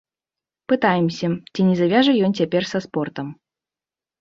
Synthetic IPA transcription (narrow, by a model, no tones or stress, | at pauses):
pɨt̪ajɛmsʲɐt͡sʲinʲɛzavʲaʐɨjɔnt͡sʲapʲɛrsɐspɔrt̪ɐm